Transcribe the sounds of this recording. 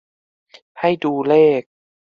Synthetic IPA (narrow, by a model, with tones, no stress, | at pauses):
pʰa˥˩jduː˧lɛː˥˩k̚